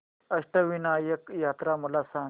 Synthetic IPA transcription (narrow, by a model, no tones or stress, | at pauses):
əʂʈəʋinajəkjat̪ɾaməlasã